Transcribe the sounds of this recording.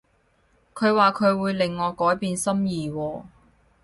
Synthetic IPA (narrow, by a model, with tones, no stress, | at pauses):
kʰɵ˨˧ɥwaː˨kʰɵ˨˧ɥwuː˨˧jlɪ˨ŋːɔː˨˧kɔː˨˥jpiː˨˧nsɐ˥mjiː˨˩wɔː˧